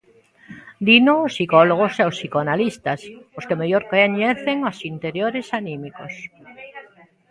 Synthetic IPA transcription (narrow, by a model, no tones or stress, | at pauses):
d̪inoːsːikɔloɣ̞oseosːikoanalist̪asoskemeʎoɾkeɲeθeŋosint̪eɾjoɾesanĩmiko̰s